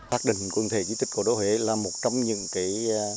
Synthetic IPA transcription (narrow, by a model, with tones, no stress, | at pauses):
aː˦˥k̚ɗḭ̈˧˨ŋ̟kwə˧˩nt̪ʰe˧˩i˧˦t̪i̟˦˥ku˧˩ɗo˨˦hwe˧˩laː˨˩mo˨˩t̚t͡ɕɔ˧wŋ͡mɲɨ̰˧˥ŋkaː˨˦j